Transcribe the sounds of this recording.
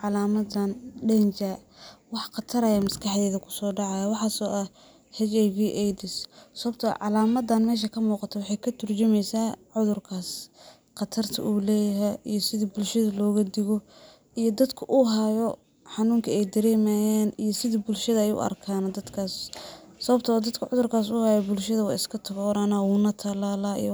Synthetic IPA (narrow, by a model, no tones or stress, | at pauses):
ʕɑlaːmɐd̪anɖɛnt͡ʃawɑħqɑt̪ʰɐɾɐjamɐskʰɑħd̪ɛːðɐkʰʊ̥sɔːɖɑʕɑjɐwɑħɑːsɔːʔɐ | hɛt͡ʃɛjviːʔɛjd̪ɪssɔβɐb̚t̪ʰɐʕɑlaːmɐd̪ɐnmɛːʃ̬ɐkʰɐmuːqɑt̪ʰɐwɑħɑjkʰɐt̪ʰʊrt͡ʃɪmɛjsaːʕʊðʊrkʰaːs | qɑt̪ʰɐrt̪ʰɐ̰ʔuːlɛːjɐɦɛjijɔsɪðibʊlʃɐðɐlɔːɣɐd̪ɪɣɔ | ijɔd̪ɐd̪kʰʊʔʊɦajɔ | ħɑnuːŋkʰɐɛjd̪ɐɾɛːmajaːnijɔsɪðibʊlʃɐðɐɛjʊ̰ʔɐ̰rkʰaːnd̪ɐd̪kʰaːssɐβɐb̚t̪ʰɐɔːd̪ɐd̪kʰʊʕʊðʊrkʰaːs̬ʊhaːjɔbʊlʃɐðɐwɑːɪskʰɐt̪ʰɐɣɔːɾaːnawuːnɐt̪ʰɐlaːlaːḭj